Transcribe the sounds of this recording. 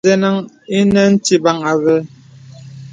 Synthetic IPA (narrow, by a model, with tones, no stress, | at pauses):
ɛ˦na˦ŋ | i˦nɛ˦n̩˦ti˦ba˦ŋa˨βɛ˦